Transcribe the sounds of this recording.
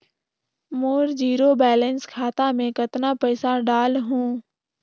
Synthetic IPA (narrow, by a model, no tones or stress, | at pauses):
moːɾd͡ʒiːɾoːbɛːlənskʰaːt̪amẽkət̪napəɪsaɖaːlɦũː